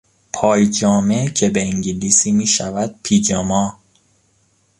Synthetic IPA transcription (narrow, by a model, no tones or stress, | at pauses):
pʰɒːjd͡ʒɒːmecʰebeiŋɟilisiːmiːʃævæd̪̥̚pʰiːd͡ʒɔmɒː